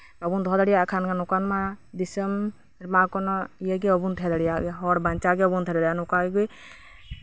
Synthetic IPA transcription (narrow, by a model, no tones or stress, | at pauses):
ɔbund̪ɔɦɔd̪aɽijaʔkʰankʰanɔkanmad̪isəm | ɾmakɔnɔijaɡɛɔbunt̪ʰɛd̪aɽijaɡɛɦɔɽbaɲt͡ʃaɡɛɔbunt̪ʰɛd̪adjanɔkaɡiɡuj